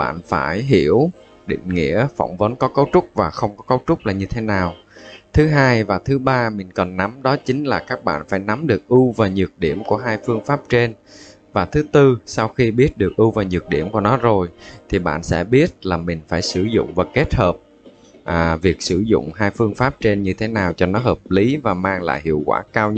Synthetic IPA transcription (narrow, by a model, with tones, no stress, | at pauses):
ɓa̰ː˧˨nfaː˧˩jɦi˧˩əw | ɗḭ˧˨ŋ̟ŋḭ˧˥əfɔ̰˧˩wŋ͡mvə˨˦nkɔ˨˦kə˨˦wt͡ɕʊ˦˥k͡p̚vaː˨˩xə˧wŋ͡mkɔ˨˦kə˨˦wt͡ɕʊ˦˥k͡p̚laː˨˩ɲɨ˧t̪ʰe˨˦naː˨˩wt̪ʰɨ˨˦ɦaː˧jvaː˨˩t̪ʰɨ˨˦ɓaː˧mï˨˩ŋ̟kɔ˨˩nːa˨˦mɗɔ˨˦t͡ɕï˨˦ŋ̟laː˨˩kaː˦˥k̚ɓa̰ː˧˨nfaː˧˩jna˨˦mɗɨ˨˩ək̚ʔu˧vaː˨˩ɲɨ˨˩ək̚ɗi˧˩əmku˧˩əɦaː˧jfɨ˧əŋfaː˦˥p̚t͡ɕe˧n | vaː˨˩t̪ʰɨ˨˦t̪ɨ˧sa˧wxi˧ɓi˦˥ət̚ɗɨ˨˩ək̚ʔu˧vaː˨˩ɲɨ˨˩k̚ɗḭ˧˩əmku˧˩ənɔ˨˦zo˨˩jt̪ʰi˨˩ɓa̰ː˧˨nsɛ̰˧˥ɓi˦˥ət̚laː˨˩mï˨˩ŋ̟faː˧˩jsɨ˧˩zʊ̰˧˨ŋ͡mvaː˨˩ke˦˥t̚həː˨˩p̚ | ʔvi˨˩ək̚sɨ˧˩zʊ̰˧˨ŋ͡mhaː˧jfɨ˧əŋfaː˦˥p̚t͡ɕe˧nɲɨ˧t̪ʰe˨˦naː˨˩wt͡ɕɔ˧nɔ˨˦ɦəː˨˩p̚li˨˦vaː˨˩maː˧ŋla̰ː˧˨jhḭ˧˨əwkwa̰ː˧˩kaː˧w